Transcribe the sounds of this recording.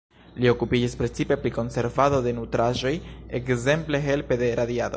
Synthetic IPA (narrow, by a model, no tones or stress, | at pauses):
lio̞kupid͡ʒispɾe̞t͡sipe̞pɾiko̞nse̞ɾvado̞de̞nutɾaʒo̞je̞̰kze̞mple̞ɦe̞lpe̞de̞ɾad̪iado̞